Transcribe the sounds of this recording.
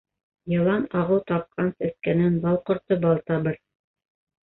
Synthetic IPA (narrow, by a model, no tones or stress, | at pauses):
jɤ̆lˠɑnɑʁɤwt̪ɑp̚qʰɑnsæθkænɘnbɑlˠqŏɾt̪ɤbɑlˠt̪ɑβɤɾ